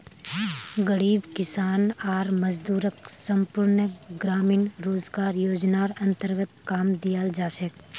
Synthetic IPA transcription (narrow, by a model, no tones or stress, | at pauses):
ɡəɽiːbkɪsaːnaːɾməd͡ʒd̪uːɾəksə̃mpʊɾnəɡɾaːmiːnɾoːzɡaːɾjoːd͡ʒnaːɾɐ̃nt̪əɾɡət̪kaːmd̪ijald͡ʒaːʃək